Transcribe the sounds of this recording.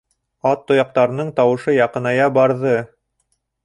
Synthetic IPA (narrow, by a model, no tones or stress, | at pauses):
ɑt̪ːŏjɑq̚t̪ɑɾɤ̆nɤɴt̪ɑwɤ̆ʃɤjɑqɤ̆nɑjɑbɑɾðɤ